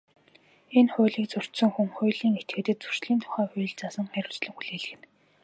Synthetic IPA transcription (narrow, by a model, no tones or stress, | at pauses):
enχʊ̟ːɮiːkt͡sɵr̥t͡ɕ̪sɵ̆ŋxumχʊːjɮiːŋet̪̚ɡɘ̆ːt̪ɘ̆t̪̚t͡su̥r̥t͡ɕɮiːnt̪ʰʊ̥χæːxʊ̟j̆ɮt͡sasə̆ŋχæɾʲʊ̆ːt͡ɕɮɘ̆ŋxuɮeːɮɘ̆ɣɘ̆n